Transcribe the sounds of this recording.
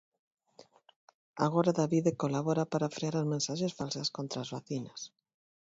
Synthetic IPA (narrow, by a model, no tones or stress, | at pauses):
a̰ɣoɾaðaβiðekolaβoɾapaɾafɾeaɾazmẽnsaʃesfalsaskont̪ɾaːzβaθinas